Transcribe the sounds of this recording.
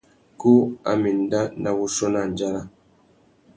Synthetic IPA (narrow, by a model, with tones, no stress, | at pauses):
ku˦a̰˨mi˨n˨da˦na˨wu˦ʃɔ˦na˨n˨d͡ʒa˦ɾa˦